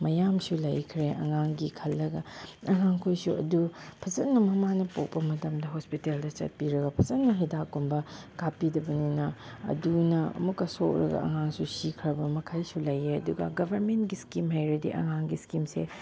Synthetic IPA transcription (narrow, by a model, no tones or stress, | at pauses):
mɐjamsulɐ̰jkʰɾeʔɐ̰ŋaŋɡikʰɐlːɐɡɐɐŋaŋkʰojsuɐ̰dupʰɐzɐtnɐmɐmanɐpok̚pɐmɐtɐmdɐɦospiteldɐt͡ʃɐ̰t̚piɾɐɡɐpʰɐzɐtnːɐɦɐjdakumbɐkapːidɐbɐninɐɐ̰dunɐɐ̰mukːɐsok̚ɾɐ̰ɡɐ̰ɐ̰ŋaŋsusikʰɾɐbɐmɐkʰajsulɐjeɐduɡɐ̰ɡɐbʱɐɾmentɡiskimɦajɾɐdḭʔɐ̰ŋaŋɡiskimsḛ